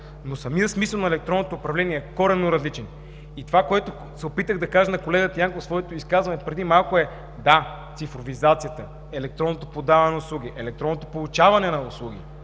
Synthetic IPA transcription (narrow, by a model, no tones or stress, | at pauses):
nosɐmiəsmisəlˠnɐɛlɛk̚t̪ɾɔnːot̪oːpɾɐvlɛniɛɛkɔɾɛnːoɾɐzlit͡ʃɛn | it̪ovakoɛt̪o | sɛopit̪əɣd̪ɐkaʒənɐkolɛɡət̪əjaŋkofsvɔɛt̪oiskazvɐnɛpɾɛd̪imalˠkoɛ | d̪a | t̪sifɾovizat̪sijət̪ə | ɛlɛk̚t̪ɾɔnːot̪opod̪avɐnɛnɐʊslˠuɡ̟iʔɛlɛk̚t̪ɾɔnːot̪opolˠut͡ʃavɐnɛnɐʊslˠuɡ̟ḭ